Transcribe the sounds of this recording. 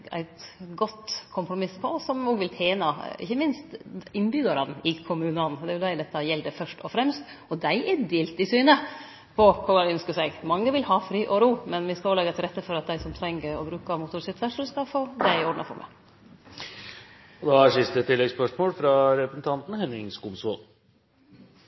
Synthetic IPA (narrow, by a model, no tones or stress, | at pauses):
æ̰ɪt̪ɡɔt̪ːkʰʊmpɾʊmɪspʰɔɔsːɔmnuːɡʋɪlt̪ʰjeːnɑɪ̰çːəmɪnst̪ɪnbʏɡ̪ɑɾɑnɪkʰʊmʉːnənd̪ɛæjʊd̪æɪd̪ɛt̪ːɑjɛld̪əfœʂʈɔfɾɛmst̪ | ɔd̪æɪʔɛd̪eːlt̪ɪsyːnə | pʰɔkʰɔɡɑɾœnskəʂæɪɡmɑŋːəʋɪlhɑːfɾiːʔɔɾuːmɛnʋɪskɑolɛːɡɑt̪ʰɪlɾɛt̪ːəfɔɾɑt̪̚d̪æɪsɔmt̪ʰɾɛŋːəɾɔ̰bɾʉːkɑmʊt̪ʊɾsɛt̪ʰʋæʂəlskɑfoːd̪ɛɾɪɔɖnɑfɔ̰ɾmə̰ | ɔd̪ɑæʂɪst̪ət̪ʰɪlːɛɡspœʂmoːlfɾɑɾɛpɾəsn̩t̪ʰɑnt̪n̩hɛnɪŋskumso̰l